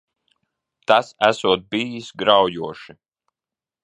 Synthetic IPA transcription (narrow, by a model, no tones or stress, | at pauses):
t̪asæsuɔt̪̚biːjisɡɾawjuɔʃi